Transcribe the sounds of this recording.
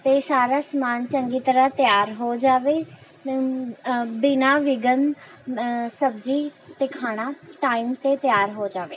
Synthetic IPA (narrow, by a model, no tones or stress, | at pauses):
t̪eːsaːɾaːsmaːnt͡ʃəŋɡiːt̪əɾət̪jaːɾɦoːd͡ʒaːʋeː | bɪnaːʋɪɡən | səbd͡ʒiːt̪eːkʰaːɽ̃aːʈaːimt̪eːt̪jaːɾɦoːd͡ʒaːʋeː